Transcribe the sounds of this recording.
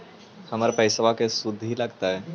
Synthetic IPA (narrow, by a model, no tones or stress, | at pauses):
həmaɾapəjsəʋakesud̪ʱːilaɡt̪aɦɛ